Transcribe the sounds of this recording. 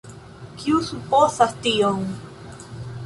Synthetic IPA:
kiusuposast̪ioŋ

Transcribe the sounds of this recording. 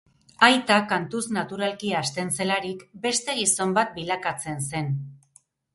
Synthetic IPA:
ajt̪akant̪usnat̪uɾalkiaːst̪e̞nse̞laɾikbe̞st̪e̞ɣ̞iso̞mbat̪̚bilakat͡se̞nse̞n

